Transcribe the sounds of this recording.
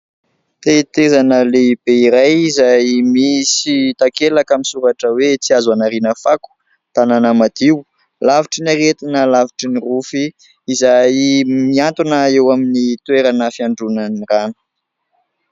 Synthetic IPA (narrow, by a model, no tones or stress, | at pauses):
t̪et̪ezanəleibeiɾajizajmisit̪akelakaminsuɾaʈ͡ʂəwet͡siazanaɾinəfaku̥ | t̪ananamad̪̥iw | laviʈ͡ʂinaɾet̪inəlaviʈ͡ʂinirufiː | zajmiant̪unəewaminit̪weɾanəfiaɳɖ͡ʐunaniranu̥